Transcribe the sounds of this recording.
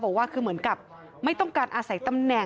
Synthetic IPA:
bɔː˨˩k̚waː˥˩kʰɯː˧mɯ˩˦ənka˨˩p̚ | ma˥˩jt̪ɔ˥˩ŋkaː˧nʔaː˧sa˩˦jt̪a˧mnɛ˨˩

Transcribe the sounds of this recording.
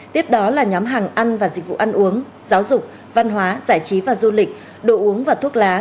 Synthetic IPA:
t̪i˦˥əp̚ɗɔ˨˦laː˨˩ɲɔ˨˦mɦaː˨˩ŋʔa˧nvaː˨˩zï˨˩k̚vṵ˧˨ʔa˧nʔu˨˦əŋ | zaː˨˦wzʊ˨˩k͡p̚ | va˧nɦwaː˨˦zaː˧˩jt͡ɕi˨˦vaː˨˩zu˧lï˨˩k̟̚ | ɗo̰˧˩ʔu˨˦əŋvaː˨˩t̪ʰu˦˥ək̚laː˨˦

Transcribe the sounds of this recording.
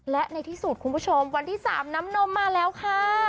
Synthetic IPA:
lɛ˦˥ʔna˧jt̪ʰiː˥˩su˨˩t̪̚kʰu˧npʰu˦˥˩t͡ɕʰo˧mwa˧nt̪ʰiː˥˩sa̰ː˩˦mna˦˥mno˧˥mːaː˧lɛː˦˥wkʰaː˥˩

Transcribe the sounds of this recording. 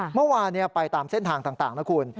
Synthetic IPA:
mɯ˥˩waː˧nːi˦˥˩ɐpa˧jt̪aː˧mse˥˩nt̪ʰaː˧ŋt̪aː˨˩ŋt̪aː˨˩ŋna˦˥kʰu˧ən

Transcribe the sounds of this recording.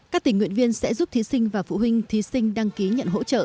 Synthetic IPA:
kaː˦˥k̚t̪ï˨˩ŋwi˧˨ənvi˧ənsɛ̰˧˥zu˦˥p̚t̪ʰi˨˦sï˧ŋ̟vaː˨˩fṵ˧˨ɦwï˧ŋ̟t̪ʰi˨˦sï˧ŋ̟ɗa˧ŋki˨˦ɲə̰˧˨nɦo̰˧˥t͡ɕə̰ː˧˨

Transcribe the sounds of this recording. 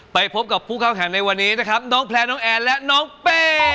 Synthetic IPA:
pa˧jpʰo˦˥p̚ka˨˩pʰːuː˥˩kʰaː˥˩mɦaː˩˦na˧jwa˧nːiː˦˥na˦˥kʰɾa˦˥p̚nɔː˦˥ŋpʰlɛː˧nɔː˦˥ŋʔɛː˧lɛ˦˥ʔnɔː˦˥ŋpeː˧˩

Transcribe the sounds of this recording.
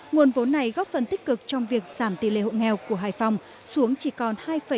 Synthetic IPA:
ŋu˨˩ənvo˨˦nːa˨˩jɣɔ˦˥p̚fə˨˩nt̪ï˦˥k̟̚kɨ˨˩k̚t͡ɕɔ˧wŋ͡mvi˨˩ək̚zaː˧˩mt̪ḭ˧˨lḛ˧˨ho̰˧˨ŋɛ˧˩wku˧˩əɦaː˧˩jfa˧wŋ͡m | su˨˦əŋt͡ɕi˧˩kɔ˨˩nhaː˧jfə˧˩

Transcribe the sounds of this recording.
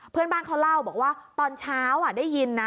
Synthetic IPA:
pʰɯ˧ənbaː˧˩nkʰa˧wla˧˥˩wbɔː˨˩k̚waː˥˩t̪ɔː˧nt͡ɕʰaː˦˥wʔa˨˩daː˥˩ji˧nːa˦˥

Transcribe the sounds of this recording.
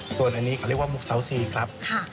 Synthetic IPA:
su˨˩ənʔa˧nːiː˦˥kʰa˧˩˦waː˥˩mu˨˩k̚sa˩˦wsiː˨˩kʰɾa˦˥p̚kʰa˥˩

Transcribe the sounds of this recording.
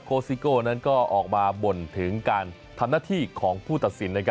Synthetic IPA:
kʰoː˧siː˧koː˥˩na˦˥nkɔː˥˩ʔɔː˨˩k̚maː˧bo˨˩nt̪ʰɯ˩˦ŋkaː˧n | t̪ʰa˧mnaː˥˩t̪ʰiː˥˩kʰɔː˩˦ŋpʰuː˥˩t̪a˨˩t̪̚si˩˦nːa˥˧˩kʰ

